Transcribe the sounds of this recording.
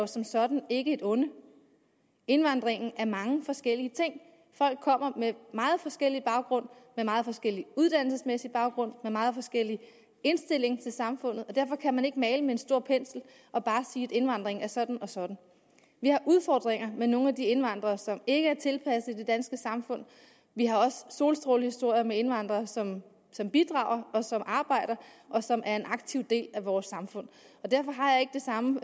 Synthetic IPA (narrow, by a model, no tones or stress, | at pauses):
sɒ̽msɒ̽d̥n̩e̝ɡ̥əe̝d̥ɔ̽nə | e̝nʋɑ̈n̰d̥ʁeŋn̩æɐmɑ̈ŋəfɒ̽sɡ̥el̰iət͡sʰe̝ŋ̰ | fɒ̽l̰ɡ̥̚kʰːɒ̽m̰ɐmemɑ̈ːð̞̩ˠfɒ̽sɡ̥el̰ib̥ɑ̈ʊɡ̥ʁɔ̽n̰memɑ̈ːð̩ˠfɒ̽sɡ̥el̰iuð̞ˠd̥æn̰l̩səsmesib̥ɑ̈ʊɡ̥ʁɔ̽n̰memɑ̈ːð̩ˠfɒ̽sɡ̥el̰i | e̝nsd̥e̝l̰e̝ŋt͡sʰe̝lsɑ̈mfɔ̽n̰ð̩ˠɒ̽d̥æɐ̰fɒ̽kʰæmæne̝ɡ̥əmɛːɪləmeensd̥o̝ɐ̰pʰen̰sl̩ | ʔɒ̽b̥ɑ̈ːsiːe̝d̥e̝nʋɑ̈n̰d̥ʁeŋæɐsɒ̽d̥n̩ɒ̽sɒ̽d̥n̩ | ʋihɑ̈ʔuð̞ˠfɒ̰ːd̥ʁeŋ̰ɐmeno̝ːŋ̩æd̥ie̝nʋɑ̈n̰d̥ʁɐːsɒ̽me̝ɡ̥əæɐt͡sʰe̝lpʰæsð̩ˠid̥e̝d̥ænsɡ̥əsɑ̈mfɔ̽n̰ | ʋiɦɑ̈ɒ̽sso̝̰ːlsd̥ʁo̝ːlhisd̥o̝ɐ̰jɐmee̝nʋɑ̈n̰d̥ʁɐːsɒ̽m | sɒ̽mb̥id̥ʁɑ̈ːʊ̰ɐɒ̽sɒ̽mʔɑ̈ːb̥ɑ̈ɪ̰ɾ̥ɐʔɒ̽sɒ̽mʔæɐe̝nʔɑ̈ɡ̥̚t͡sʰiʊd̥e̝̰ːlæʋɒːsːɑ̈mfɔ̽n̰ | ɒ̽d̥æɐfɒ̽ɦɑ̈jɑ̈e̝ɡ̥əd̥e̝sɑ̈mə